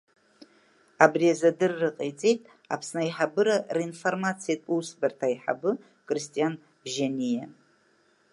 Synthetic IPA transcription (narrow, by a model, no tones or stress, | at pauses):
abriazadɨrːɨqʼet͡sʼejtʼ | a̰pʰsnaiħabɨɾarainfo̞rmat͡sʰijatʼusbɨrtʰajħa̰bɨ | kʼristʼijan | ʒanʲija